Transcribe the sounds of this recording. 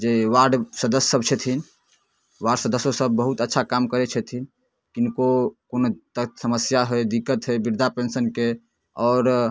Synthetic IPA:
d͡ʒeʋaɾɖsəd̪əssəb̚t͡ʃʰɛt̪ʰin | ʋaɾɖsəd̪əsosəbːəɦut̪ətːʃʰakamkəɾet͡ʃʰɛt̪ʰin | kinkokonot̪əsəməsjaɦəjd̪ikːət̪ɦəbiɾd̪ʱapensənke | ɔːɾ

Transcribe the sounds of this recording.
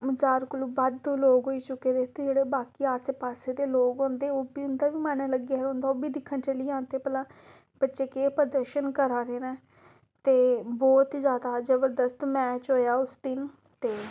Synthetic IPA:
məzaːɾkʊloːbad̪õːloːɡɦoːiːt͡ʃʊkːeːd̪eːt̪ed͡ʒeːɽeːbaːkiːaːsepaːseːd̪eːloːɡõːnd̪eːoːbiːʊnd̪aːʋiːmaːnaːləɡiaõːnd̪aːoːbiːd̪ɪkʰːənt͡ʃəliːãːnt̪eːpəlãː | b̥ətːʃeːkeːpɾd̪əɾʃənkəɾaːɾeːnɛ̃ː | t̪eːbɔːt̪zjaːd̪aːd͡ʒəbəɾd̪əst̪mɛːt͡ʃɦoːjaːʊst̪ɪn | t̪eː

